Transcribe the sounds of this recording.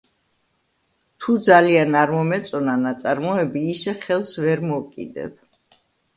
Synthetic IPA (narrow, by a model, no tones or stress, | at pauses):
t̪ʰud̪zalianaɾmɔmɛt̪sʼɔnanat̪sʼaɾmɔɛbiːsɛχɛlˠsvɛɾmɔkʼḭd̪ɛ̰b